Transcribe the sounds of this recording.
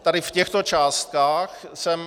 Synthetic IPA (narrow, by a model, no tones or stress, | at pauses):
t̪adɪfcɛxt̪ot͡ʃaːst̪̚kaːxsɛm